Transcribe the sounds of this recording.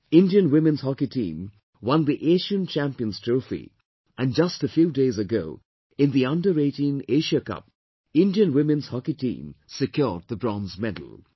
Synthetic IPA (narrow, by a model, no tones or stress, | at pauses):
ɪ̃ndiə̃nwɪmɨ̃nz̥hɑkitʰḭ̃ːm | wʌ̃nðiʔeɪʃə̃nt͡ʃʰæ̃mpiə̃nz̥tʰɹ̥ofḭ | ʔɨ̃nd͡ʒʌstəfjudeɪzɨɡoʊ | ɪ̃nðiʌ̃ndəɾeɪɾĩneɪʃəkʌ̰p̚ | ɪ̃ndiə̃nwɪ̃mɨ̃nz̥hɑkitʰḭ̃ːmsɨkjɔːd̪̚ðəbɹɔ̃nzmɛdl̩ˠ